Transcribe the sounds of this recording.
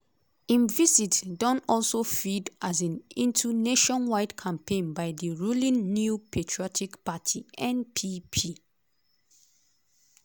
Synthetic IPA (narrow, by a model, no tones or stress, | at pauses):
ĩnvizitdɔ̃nɔlsofidʔazãnĩntuneʃɔ̃nwaɪdkʰãmpʰẽnbaɪdiɹulĩnːjupʰetʰɹiɔtʰikpatʰiʔɛ̃npʰipʰi